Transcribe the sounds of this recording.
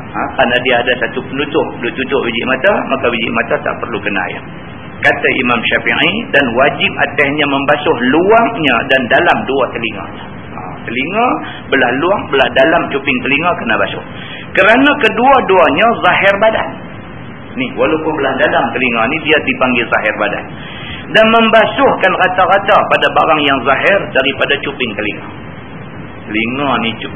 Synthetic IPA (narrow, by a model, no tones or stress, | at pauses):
ak̪anadiaːdasat̪upənut̪ʊʔəduʔt̪ut̪ʊʔbid͡ʒɪ̰ʔmat̪amʔakabid͡ʒɪ̰ʔmat̪at̪a̰ʔpərlukəna̰ja̰ | kat̪aʔimamʃapaʔidanwad͡ʒɪp̚a̰t̪ɛhɲaməmbasʊhluaŋɲa̰dandalamduat̪əliŋa̰la | a̰ | t̪əliŋa | bəlahluaŋbəlahdalamt͡ʃupɪŋt̪əliŋakənabasʊ̰h | kəɾanakəduaduaɲazaɦɪrbada̰n | nɪhwalawpʊnbəlahdalamt̪əliŋanidiadipaŋɡɪlzaɦɪrbada̰n | danməmbasʊhkanrat̪aɾat̪apadabaɾaŋjaŋzaɦɪrdaɾipadat͡ʃupɪŋkəlḭŋa̰ | t̪əliŋani